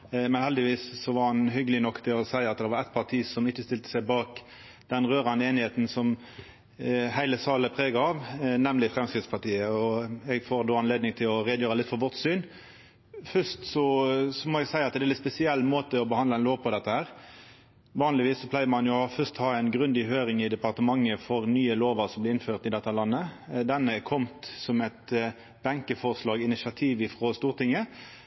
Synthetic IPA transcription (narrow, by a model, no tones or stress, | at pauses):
mɛnhɛld̪ɪʋiːsːɔʋɑɾhɑnɦʏɡəlɪnɔkːt̪ʰɪlɔsæɪɑt̪̚d̪ɛʋɑɾɛɪt̪̚pʰɑt̪ʰiːsɔmɪçːəst̪ɪlt̪ə̥sæɪbɑːk | d̪̥ɛnʁøːʁɑnd̪əeːnɪheːt̪n̩sɔm | hæɪləsɑːləpʰʁeːɡɑɑʋnɛmlɪfʁɛmskɾɪt̪spɑt̪ʰiːəɔɛɡfoːʁd̪oːɑnleːd̪nɪŋt̪ʰɪlɔɾeːd̪jøːɾɑlɪt̪fɔʁʋɔʁt̪syːn | fœʂt̪sɔsɔmɔɛɡsæɪɑt̪d̪ɛlɪt̪spɛsɪɛlːmoːt̪əɔbəhɑnd̪ləɛnloːʋpʰɔd̪ɛt̪ːəhæːɾ | ʋɑːnlɪʋiːsːɔpʰlæɪəɾmɑnjʊfœst̪hɑːɛɪnɡɾʉnd̪ɪhøːɾɪŋɪd̪ɛpɑʁt̪əmɑŋːəfɔɾnyːəloːʋəɾsɔmblɪɪnføːʁt̪ɪd̪ɛt̪ːɑlɑnːəd̪ɛnːəkʰɔmt̪sɔmɛt̪ | bɑŋkəfɔʁslɑːɡɪnɪsɑt̪ʰiːʋɪfʁost̪uːɾt̪ɪŋːə